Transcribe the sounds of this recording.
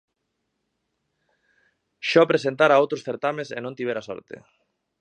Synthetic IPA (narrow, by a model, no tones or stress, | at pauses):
ʃɔpɾesent̪aɾaowt̪ɾosθeɾt̪amesenõnt̪iβ̞eɾasɔ̰ɾt̪ḛ